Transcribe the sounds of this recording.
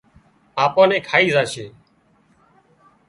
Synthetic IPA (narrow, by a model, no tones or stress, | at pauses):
aːpãːneːkʰaːiːzaːʃeː